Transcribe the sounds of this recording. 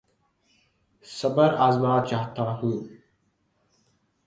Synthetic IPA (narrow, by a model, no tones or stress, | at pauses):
sɐbɐɾazmaːt͡ʃaht̪ʰaːɦuː